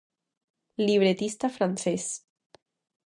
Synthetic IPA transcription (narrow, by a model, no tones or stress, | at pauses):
liβ̞ɾet̪ist̪afɾanses